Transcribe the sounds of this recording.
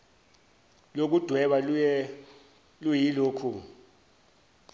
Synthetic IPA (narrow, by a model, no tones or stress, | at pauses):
lok̬ud̥ʱwɛɓaɛ | lujiloːkʰu